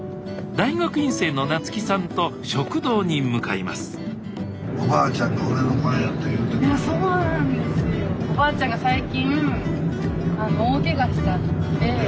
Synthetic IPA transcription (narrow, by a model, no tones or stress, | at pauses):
d̪aiɡakɯ̟ĩɰ̃se̞ːno̞nat͡sɨ̥kʲisãnt̪o̞ɕo̞kɯ̟d̪o̞ːɲ̟imɯ̟kaima̰sɨ̥ | obaːt͡ɕãŋɡaoɾenomaejat̪ːejɯt̪okasoːnãnd̪esɨneobaːt͡ɕãŋɡasaikʲĩŋ | anooːke̞ɡat͡sid̪at̪ːe